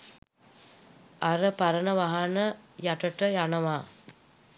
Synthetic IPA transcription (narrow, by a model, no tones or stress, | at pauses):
aɾəpaɾənəʋaɦanəjaʈəʈəjanəʋaː